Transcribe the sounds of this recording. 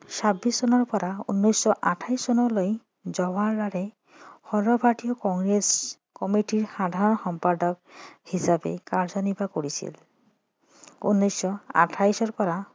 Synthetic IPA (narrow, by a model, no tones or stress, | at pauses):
sabisːɔnɔɹpɔɾaṵnːɔjsɔʔaʈʰajsɔnɔloj | zɔwaɹɖaɾe | hɔɹɔbʱaʈijɔkɔŋɡɹes | kɔmiʈiɹxad̪ʱaɹɔnxɔmpaɖɔk̚hisabḛkaɹzɔnibakoɹisḭl | ṵnːɔjsːɔa̰ʈʰajsɔɹpɔɾa